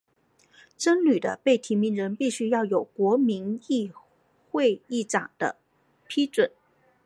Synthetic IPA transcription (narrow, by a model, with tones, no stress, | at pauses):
ʈ͡ʂə˥nly˨˩d̪ə̰˦pe˥˩ɪt̪ʰi˧˥mi˧˥nɻə˧˥npi˥˩ɕy˥jɑ˥˩ʊjo˨˩ʊkwɔ˧˥mi˧˥ni˥˧ | xwe˥˧ɪi˥˩ʈ͡ʂɑ̰˨˩ŋd̪̥ə̰˦ | pʰi˥ʈ͡ʂwə˨˩˦n